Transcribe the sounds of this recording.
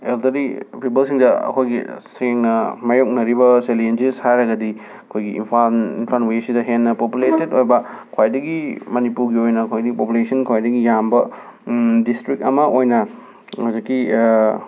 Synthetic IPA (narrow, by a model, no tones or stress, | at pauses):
eldɐɾipʰipɐlsiŋdɐɐ̰kʰojɡḭseŋnɐmɐjok̚nɐɾibɐselend͡ʒishajɾɐɡɐdi | ɐkʰojɡiḭmpʰanḭnpʰanwesidɐɦenːɐpopuletedojbɐkʰwajdɐɡimɐnipuɾɡiojnɐɐkʰojdɐɡipopulesiɐnkʰajdɐɡijambɐ | distɾik̚tɐmɐʔojnɐ | hazikːi